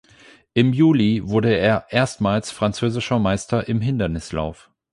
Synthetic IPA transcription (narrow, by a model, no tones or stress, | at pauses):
ʔɪmjuːlivʊɐdəeːɐʔeːɐstmaːlsfʁ̥ant͡søːzɪʃɐmaɪstɐʔɪmɦɪndɐnɪsla̰ʊf